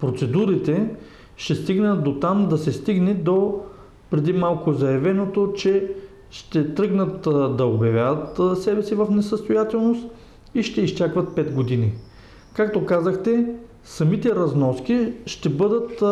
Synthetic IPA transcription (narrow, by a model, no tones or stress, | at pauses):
pɾot̪sɛd̪uɾit̪ɛ | ʃt̪ɛst̪iɡnət̪d̪ot̪amd̪ɐsɛst̪iɡnɛd̪o | pɾɛd̪imalˠkʊzɐjɐvɛnot̪ot͡ʃɛ | ʃt̪ɛt̪ɾɤɡnət̪d̪ɐobjɐvʲjad̪ət̪sɛbɛsivəfnɛsəst̪ojat̪ɛlˠnost̪ | iʃt̪ɛist͡ʃakvɐt̪̚pɛt̪ɡod̪ini | kak̚t̪okazəxt̪ɛ | sɐmit̪ɛɾɐznɔskiʃt̪ɛbɤd̪ət̪